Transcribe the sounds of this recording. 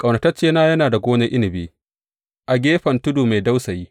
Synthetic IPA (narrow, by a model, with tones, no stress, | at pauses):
kʼɐ˨wnɐ˨tɐ˦t͡ʃeː˦naː˦jɐ˦naː˨da˨ɡʷoː˦nɐ˦ʔɪ˦nɪ˨biː˦ | ʔa˨ɡʲeː˦ɸɐ˨ntʊ˦duː˨ma˨jda˦wsɐ˨jiː˦